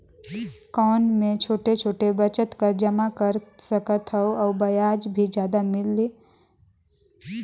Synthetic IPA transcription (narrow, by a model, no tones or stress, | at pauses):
kɔːnmẽt͡ʃʰoːʈet͡ʃʰoːʈebət͡ʃət̪kəɾd͡ʒəmakəɾsəkət̪ʰɦəoɔːbɐjaːd͡ʒbʱid͡ʒjaːd̪amɪlːiː